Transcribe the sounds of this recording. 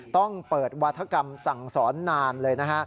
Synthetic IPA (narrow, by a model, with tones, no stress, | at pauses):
t̪ɔ˥˩ŋpɤː˨˩t̪̚wa˦˥t̪ʰːa˧˥ka˧msa˨˩ŋsɔː˩˦nːaː˧nlɤː˧jna˦˥kʰa˦˥ʔ